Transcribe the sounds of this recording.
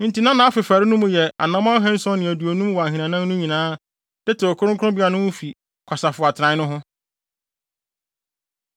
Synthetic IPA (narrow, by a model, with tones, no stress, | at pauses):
n̩˨ti˨nã˦nã˨a˦fɪ˨fa˨ɾɪ˦nũ˦mʊ̃˨jɛ˨a̰˨nã˦mã˦ɦɛ̃˦n̩˦sɔ̃˦nɪ̃˨æ˨du˨o˨nũ˦mwɔ˨a˨ɦĩ˨nã˨nã˦nː˦ʊ̃˦ɲĩ˨nãː˨˦ | d̥ɛ˦tʰɪ˨ɔ˨kʰʊ˦ɾʊ̃˦kʰʊ˦ʊ̃˦bi˦a˨nʊ̃˦wʊ̃˦fi˨ | kʰa˨sa˨fʊ˨a˨tʰɾã˨˦nʊ̃˦ɦʊ̃˦